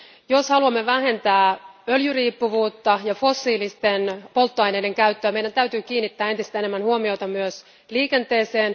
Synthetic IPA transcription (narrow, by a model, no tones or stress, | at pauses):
joshɑluɑmːe̞ʋæɦe̞nt̪æːøljyriːpːuʋuːt̪ːɑjɑfo̞sːiːlist̪e̞npo̞lt̪ːoɑjnede̞ŋkæyt̪ːøːme̞jdænt̪æyt̪yːk̟iːnːit̪ːæːet̪ist̪æe̞nemːænhuomio̞jt̪ɑmyøs | liːke̞nt̪e̞ːseːn